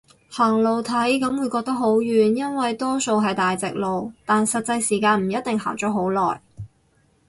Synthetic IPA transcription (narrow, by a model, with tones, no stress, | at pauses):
haː˨˩ŋlo˨wt̪ʰɐ˨˥jkɐ˨˥mwuː˨˧jkɔː˧k̚t̪ɐ˥k̚ho˨˥wjyː˨njɐ˥nwɐ˨jt̪ɔː˥so˧wɦɐ˨jt̪aː˨jt͡sɪ˨k̚lo˨wt̪aː˨nsɐ˨t̚t͡sɐ˧jsiː˨˩kaː˧nm̩˨˩jɐ˥t̚t̪ɪ˨ŋɦa̰ː˨˩ŋt͡ʃɔː˨˥ɦo˨˥wlɔ̰ː˨˩j